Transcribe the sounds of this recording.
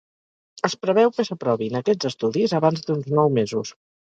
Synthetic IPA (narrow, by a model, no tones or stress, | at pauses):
əspɾəβ̞ɛwkəsəpɾɔβinəkɛd͡zəst̪uðizəβanzd̪unznɔwmezus